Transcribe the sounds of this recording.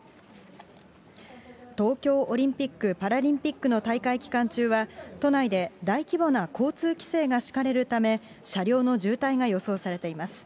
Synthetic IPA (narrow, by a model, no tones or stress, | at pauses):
t̪o̞ːkʲo̞ːʔoɾʲĩmpʲikːɯ̟paɾaɾʲĩmpʲikːɯ̟not̪aikaikʲi̥kãɲ̟t͡ɕɨːβat̪o̞naid̪e̞d̪aikʲibo̞nakʰo̞ːt͡sɨːkʲi̥se̞ːɡaɕi̥kaɾe̞ɾɯ̟t̪ame̞ | ɕaɾʲo̞ːno̞ʑɨːt̪aiɡajo̞so̞ːsaɾe̞t̪e̞imasɨ̥